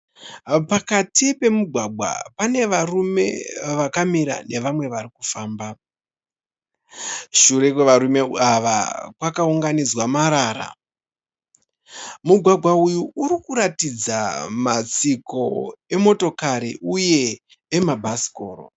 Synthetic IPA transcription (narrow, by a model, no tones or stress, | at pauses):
pakatipe̞muɡʱwaɡʱwa̰pane̞ʋarume̞̰ʋakamiɾa̰ne̞ʋamwe̞ʋarikufaːmba | ʃuɾe̞kweʋaɾume̞aʋa̰kwakauŋɡanid͡zwamaɾaːɾa̰ | muɡʱwaɡʱwaujuːɾikuɾatid͡zamat͡siko̞e̞mo̞to̞kaɾiʔuje̞ː | mabʱasi̥ko̞ːro̰